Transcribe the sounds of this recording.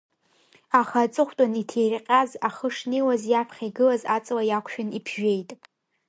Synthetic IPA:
aχat͡sʼɨχʷtʼanitʰejrqʲʼazaχəʂnejwazjapʰχʲajɡɨlazat͡sʼwajakʷʰʃᶣʊnipʰʒᶣe̞jtʼ

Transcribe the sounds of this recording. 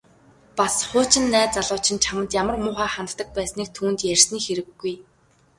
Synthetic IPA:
pasχʊːt͡ɕɪ̆nːæːt͡saɮʊːt͡ɕʰɪ̆nt͡ɕʰamə̆nt̪jamə̆rmʊːχaːχant̪t̪ə̆k̚pæːsniːk̚t̪ʰuːnt̪jær̥ʲsniːxeɾɘ̆ɡːuj

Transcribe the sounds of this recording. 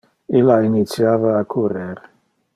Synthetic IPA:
ilːainit̪sjaːvaːkʰuɾeɾ

